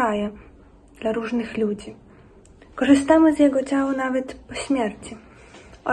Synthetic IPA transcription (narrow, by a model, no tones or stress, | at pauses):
ajɛ | d̪laɾuʐnɘxlʲud͡ʑi | kɔʐɨst̪amɘzʲjɛɡɔt͡ɕawɔnavɛt̪pɔɕmʲjɛɾt͡ɕi | ɔ